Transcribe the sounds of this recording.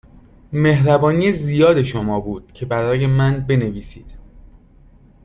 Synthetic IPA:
me̞ɦɾæbɒːnijezijɒːd̪e̞ʃo̞mɒːbuːd̪̥cʰe̞bæɾɒːje̞mænbe̞ne̞viːsiːd̪̥

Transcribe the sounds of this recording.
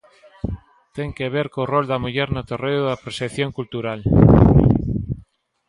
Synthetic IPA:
t̪eŋkeβ̞eɾkorold̪ɐmuʎɛɾnot̪oreoðɐpɾoseθjoŋkult̪uɾal

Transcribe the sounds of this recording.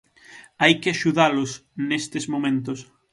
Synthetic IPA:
ajkɪaʃuðalʊsnest̪ɪzmõmẽnt̪ʊs

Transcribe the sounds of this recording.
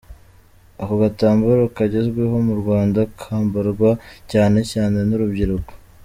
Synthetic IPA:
akoɡataːmbuɾokaɟe̞zɡweɦo̞muɾɡwaːndakʰaːmbaɾɡwacaːne̞caːne̞nuɾubɟiɾuko̥

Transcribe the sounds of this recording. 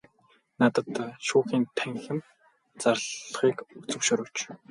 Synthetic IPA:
nat̪ə̆t̪ʃuːχiːnt̪ʰæŋxɪ̆m | t͡sarɮχiːkut͡sɵ̆kʃʊɾʊːt͡ɕ

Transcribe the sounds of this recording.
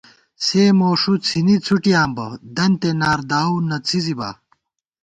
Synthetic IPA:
seːmoːʂut͡sʰinit͡sʰuʈijaːmbɐd̪ɐnt̪enaːɾd̪aːunɐt͡sʰiziba̰ː

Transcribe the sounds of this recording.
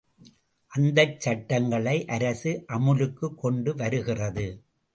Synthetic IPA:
ʔɐnd̪ɐt͡ʃːɐʈːɐŋɡɐɭɐɪʔɐɾɐsɯʔɐmɯlɯkːɯkːɔɳɖɯʋɐɾɯɣɪrɐðɯ

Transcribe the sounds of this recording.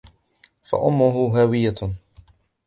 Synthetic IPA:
fa̰ʔʊmːʊɦʊɦaːwɪjːa

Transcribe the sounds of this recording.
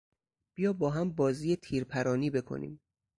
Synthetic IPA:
b̥ijɒːbɒːɦæmbɒːziːjet̪ʰiːɾpʰæɾɒːniːbe̞kʰo̰nḭːm

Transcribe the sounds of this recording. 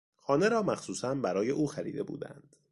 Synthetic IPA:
xɒːne̞ɾɒːmæxsuːsænbæɾɒːje̞ʔuːxæɾḭːd̪e̞bṵːd̪æ̰nd̪̥

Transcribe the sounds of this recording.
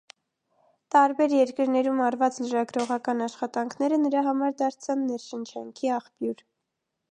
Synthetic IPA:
t̪ɑɾbɛɾjɛɾkəɾnɛɾumɑrvɑt͡sləɾɑɡɾɔʁɑkɑnɑʃχɑt̪ɑŋkʰnɛɾənəɾɑɦɑmɑɾd̪ɑɾt͡sʰɑnːɛɾʃənt͡ʃʰɑŋkʰiɑχpjuɾ

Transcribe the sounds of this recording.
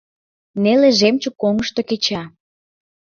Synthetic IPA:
neleʒemt͡ɕə̆kːoŋəʃt̪oket͡ɕɑ

